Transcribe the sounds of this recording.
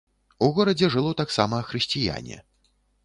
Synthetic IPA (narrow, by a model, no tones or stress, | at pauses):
uɣɔɾɐd͡zʲɛʐɨlˠɔt̪aksamɐːxɾɨsʲt͡sʲija̰nʲɛ̰